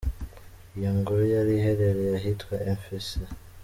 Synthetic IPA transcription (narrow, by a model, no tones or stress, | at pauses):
jaŋɡoɾojaɾiɦeɾeɾejaɦitwaeɱfisa